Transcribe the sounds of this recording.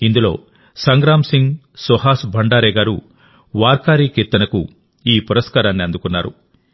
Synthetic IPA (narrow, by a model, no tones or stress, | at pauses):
ind̪ulo̞ː | sɐŋɡɾaːmsiŋɡ | sɔɦaːsbʱɐɳɖaːɾɛːɡaːɾṵ | ʋaːɾkaːɾiːkiɾt̪ːɐnɐku | iːpuɾɐskaːɾaːnːiɐnd̪ukunːaːɾu